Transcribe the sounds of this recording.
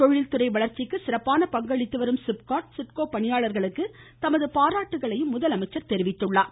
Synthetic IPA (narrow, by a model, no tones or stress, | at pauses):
t̪ɔɻɪlt̪ɯɾɐɪʋɐɭɐɾt͡ʃːɪkːɯsɪɾɐpːaːnɐpɐŋɡɐɭɪt̪ːɯʋɐɾɯmsɪp̚kaːʈ̚sɪʈkoːpɐɳɪjaːɭɐɾɣɐɭɯkːɯ | t̪ɐmɐðɯpaːɾaːʈːɯɣɐɭɐjɯmːʊðɐlɐmɐɪt͡ʃːɐɾt̪ɛɾɪʋɪt̪ːɯɭːaː